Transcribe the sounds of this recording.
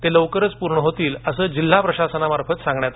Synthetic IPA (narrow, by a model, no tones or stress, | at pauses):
t̪eləʋkəɾət͡spuɾɳəɦot̪iːləsəːd͡ʑil̤ːapɾəɕasənamaɾfət̪sãŋɡɳjat̪